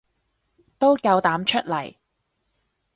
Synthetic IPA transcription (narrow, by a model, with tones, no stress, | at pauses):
t̪o˥wkɐ˧wt̪aː˨˥mt͡ʃʰɵ˥t̚lɐ˨˩j